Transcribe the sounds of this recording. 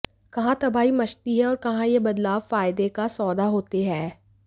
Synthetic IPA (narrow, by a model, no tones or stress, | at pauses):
kɐɦãt̪ɐbaːimɐt͡ʃt̪iɦɛɔːɾkɐɦãjebɐd̪laːʋfaːɪd̪ekasɔːd̪aɦoːt̪eɦɛː